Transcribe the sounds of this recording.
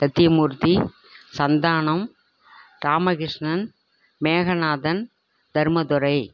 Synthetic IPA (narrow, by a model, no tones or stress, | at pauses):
t̪ɐt̪ːɪjɐmuɾt̪i | sɐnd̪aːɳɐm | ɾaːmɐɣɪʂɳɐn | meːɣɐnaːðɐn | d̪ɐɾmɐd̪ʊɾɐɪ